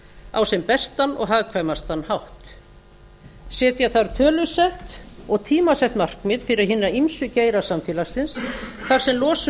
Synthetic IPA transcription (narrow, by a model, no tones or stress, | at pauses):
a̰wsɛmpɛst̪anɔ̰ɣɦaːðkʰvamast̪anːhawht̪ | sɛːt̪jɛθaɾt̪ʰœːlʏsɛht̪ɔɣt̪ʰiːmasɛht̪mar̥kmɪðfɪɾɪɾɦɪnːaimsʏceːjɾasamfiːlasɪnsθaɾ̥sɛmlɔːsʏ